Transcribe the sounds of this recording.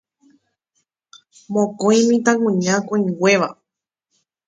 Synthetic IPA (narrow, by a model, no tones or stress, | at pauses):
mõkõĩmĩt̪ãŋũɲãkõĩŋɡʷe̞ʋa